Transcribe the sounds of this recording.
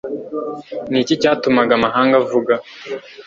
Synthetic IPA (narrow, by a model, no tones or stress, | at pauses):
nicicaːtumaɡamaɦaːŋɡavuɡa